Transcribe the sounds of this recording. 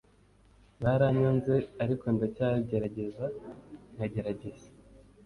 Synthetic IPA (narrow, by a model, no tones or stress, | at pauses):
βaɾaɲonze̞aɾiko̞ndacaɟe̞ɾaɟe̞zanaɟe̞ɾaɟe̞z̥ḁ